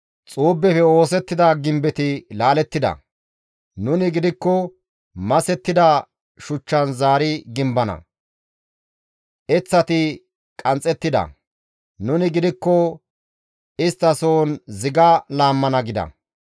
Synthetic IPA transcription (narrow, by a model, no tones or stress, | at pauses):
t͡sʼuːbːɛfɛo̞ːsɛt̪ːɪd̪ɐɡɪmbɛt̪ɪlaːlɛt̪ːɪd̪ɐ̰ | nʊnɪɡɪd̪ɪkːɔ | mɐsɛt̪ːɪd̪ɐ | ʃʊt͡ʃːɐnzaːɾɪɡɪmbɐnɐ̰ | ʔɛt͡sːɐt̪ɪ | kʼɐnt͡sʼːɛt̪ːɪd̪ɐ̰ | nʊnɪɡɪd̪ɪkːɔ | ɪst̪ːɐso̞ːnzɪɡɐlaːmːɐnɐɡɪd̪ɐ̰